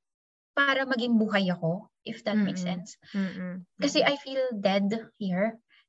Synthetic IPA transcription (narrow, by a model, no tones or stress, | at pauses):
paːɾɐmɐɡɪŋbuːɦɐjɐko̞ʔɪfd̪ɐt̪̚mɛjksɛns | kɐsɛʔɐjfiːld̪ɛd̪hiɹ